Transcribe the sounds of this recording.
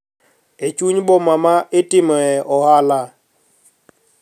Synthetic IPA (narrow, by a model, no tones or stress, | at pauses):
et͡ʃuɲbɔmamaʔɪtɪmɔɛʔɔhala